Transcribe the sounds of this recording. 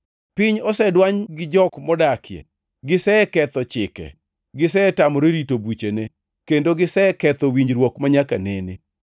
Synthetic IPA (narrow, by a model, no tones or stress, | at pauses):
pɪɲɔsɛdwaɲɡɪd͡ʒɔkmɔdakjɛ̰ | ɡɪsɛkɛt̪ɔt͡ʃɪkɛ̰ | ɡɪs̬ɛtamɔɾeɾitobut͡ʃene | kendoɡɪsɛkɛt̪ɔwiɲd͡ʒɾwɔkmaɲaka̰nene